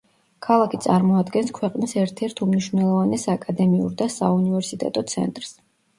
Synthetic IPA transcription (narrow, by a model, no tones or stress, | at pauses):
kʰalˠakʰit̪sʼaɾmɔad̪ɡɛnskʰwɛqʼnisɛɾt̪ʰɛɾt̪ʰumniʃvnɛlˠɔvanɛsaːkʼad̪ɛmiṵɾd̪asaunivɛɾsit̪ʼɛ̰t̪ʼɔt̪sʰɛ̰nt̪ʼɾs